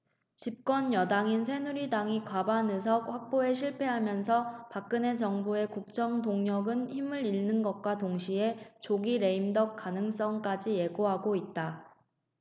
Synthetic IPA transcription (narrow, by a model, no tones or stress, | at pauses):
t͡ɕip̚k͈wʌnjʌdaŋinsʰe̞nuɾidaŋikwabanɯs̬ʰʌk̚ɸwak̚p͈oe̞ɕʰiɭpʰe̞ɦamjʌns̬ʰʌpak̚k͈ɯne̞t͡ɕʌŋbue̞kuk̚t͡ɕ͈ʌŋdoŋɲʌɡɯnçimɯɾiɭnɯnɡʌt̚k͈watoŋɕʰie̞t͡ɕoɡiɾe̞imdʌk̚k͈anɯŋs͈ʌŋk͈ad͡ʑije̞ɡoɦaɡoit̚t͈a